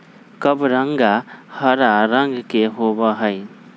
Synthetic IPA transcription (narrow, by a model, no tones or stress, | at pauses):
kəbɾaŋɡahəɾaɾaŋɡkeɦobaɦəj